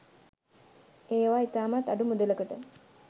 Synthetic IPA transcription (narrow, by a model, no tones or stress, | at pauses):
eːʋaːit̪aːmat̪aɖumud̪ələkəʈə